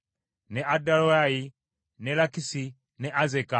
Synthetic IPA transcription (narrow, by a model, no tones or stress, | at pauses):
nɛʔadalɔjai | nɛlakisi | nɛʔazɛka